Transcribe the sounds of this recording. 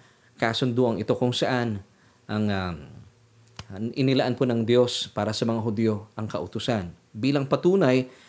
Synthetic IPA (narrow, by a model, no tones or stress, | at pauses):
kasʊnd̪oʔɐŋɪt̪o̞kʊŋsɐʔan | ʔɐŋa | ʔɪnɪlaʔanponɐŋd̪jo̞spaːɾɐsɐmɐŋaɦʊd̪ijoʔɐŋkɐʔʊt̪ʊsan | biːlɐŋpɐt̪uːnaj